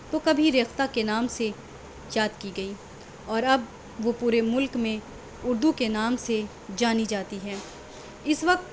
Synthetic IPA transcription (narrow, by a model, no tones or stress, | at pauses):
t̪okɐbʱiɾeːxt̪akenaːmse | jaːd̪kiɡɐiː | ɔːɾɐb̚ | ʋopuːɾemʊlkmẽ | ʊɾd̪ukenaːmse | d͡ʒaːnid͡ʒaːt̪iɦɛː | ɪsʋɐk̚t̪